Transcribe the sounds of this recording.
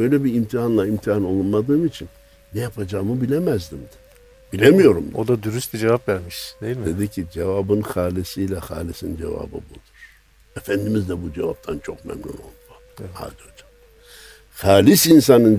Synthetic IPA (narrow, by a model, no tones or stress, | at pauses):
øjlʲɛbiimt̪ʰiɦanlˠaimt̪ʰiano̞lˠunmad̪ɯːmit͡ʃʰinː | ɛjapʰad͡ʒaːmɯbilʲemæzd̪imd̪i̥ | bilʲemijo̞ɾumod̪ad̪yɾyst̪ʲid͡ʒevapvæɾmiʃd̪ejilʲmd̪e̞d̪icʰid͡ʒevabɯnxaːlʲisijlʲɛxa̰ːlʲisind͡ʒḛva̰ːbɯ̰bud̪uɾ̥ | efænd̪imizd̪ɛbud͡ʒe̞va̰p̚t̪ʰant͡ʃʰo̞kmɛ̰mnʲṵno̞̰lˠd̪ua | ha̰d̪iod͡ʒa | xaːlʲisins̬anɯn